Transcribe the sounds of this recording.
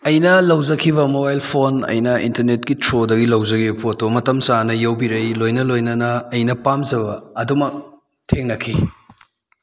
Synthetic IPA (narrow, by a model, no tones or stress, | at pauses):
ɐjnɐlɐwzɐkʰiβɐmobajlpʰonɐ̰jnɐḭntɐɾnet̚kitʰɾodɐɡilɐwzɐɡibɐpʰotomɐtɐmsanɐjɐwbiɾɐjlojnɐlojnɐnɐːjnɐpamzɐbɐːdumɐk̚ | tʰeŋnɐkʰi